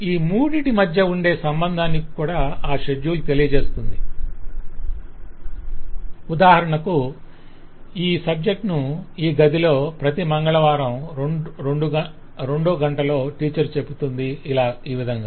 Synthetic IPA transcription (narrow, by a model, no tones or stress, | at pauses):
iːmuːɽiʈimɐd̪ʱjɐuɳɖe̞ːsɐmbɐnd̪ʱaːnikikuːɽaːaːʃeɖjuːlut̪elijɐd͡ʒe̞ːst̪und̪i | ud̪aːɦɐɾɐɳɐku | iːsɐb̚d͡ʒe̞k̚ʈnuiːɡɐd̪ilo̞ːpɾɐt̪imɐŋɡɐɭɐʋaːɾɐmɾeɖu | ɾe̞ɳɖoːɡɐɳʈɐlo̞ːʈiːt͡ʃɐɾt͡ʃe̞but̪und̪iːlaːiːʋid̪ʱɐŋɡaː